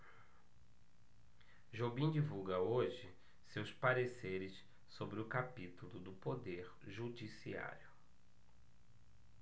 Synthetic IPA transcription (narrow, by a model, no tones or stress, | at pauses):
ʒobĩd͡ʒivuɡɐoʒɪ | sewspaɾeseɾɪs | sobɾɪʊkapit̪ulʊd̪ʊpod̪eɾʒud͡ʒisia̰ɾjʊ